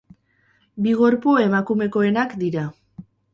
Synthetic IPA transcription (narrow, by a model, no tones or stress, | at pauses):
biɣ̞o̞ɾpoe̞makume̞ko̞e̞nakd̪iɾa